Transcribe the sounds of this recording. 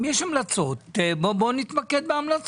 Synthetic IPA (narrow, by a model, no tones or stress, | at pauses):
jɛʃamlat͡so̞t̪bobonit̪maked̪̚beamlat͡s